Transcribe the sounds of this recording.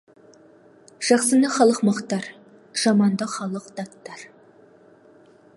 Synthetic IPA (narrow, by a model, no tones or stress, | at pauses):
ʒ̥ɑqsənd̪ɑχɑlˠəqmɑqt̪ːɑɾ | ʒ̥ɑmɑnd̪ɑχɑlˠəqd̪̥ɑt̪ːɑɾ